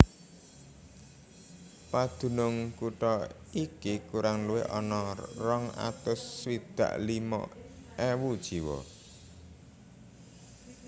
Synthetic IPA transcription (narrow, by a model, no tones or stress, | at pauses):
pad̪̥ṳnʊŋkuʈɔ | ikikuɾaŋluḛʔɔnɔrɔŋa̰t̪ʊswid̪̥a̤̰ʔlimɔ̰ɛwud̥ʒ̥i̤wɔ̰